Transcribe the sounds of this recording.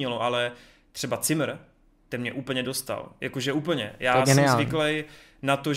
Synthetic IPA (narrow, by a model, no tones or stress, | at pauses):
ɲɛloʔalɛ | t̪r̥ɛbat͡sɪmɾ | t̪ɛnmɲɛʔuːpl̩ɲɛdo̞st̪a̰ljakoʒɛuːp̬l̩ɲɛ̰jaːɡsɛnɪmazlvɪklɛj | nat̪oʒ